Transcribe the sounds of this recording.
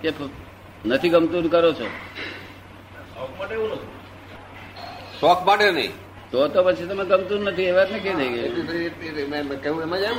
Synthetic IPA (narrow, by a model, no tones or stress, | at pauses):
kep | nət̪ʰiɡəmt̪uɾkəɾot͡ʃʰo̰ | sɔk̚maʈeunət̪ũ | ʃɔkmaʈenə̰ɦḭ̃ | t̪oɦt̪opət͡ʃʰit̪əmeɡəmt̪uɾnət̪ʰieʋat̪nẽked̪ʱəiɡəeit̪emɛmkeũemãd͡ʒa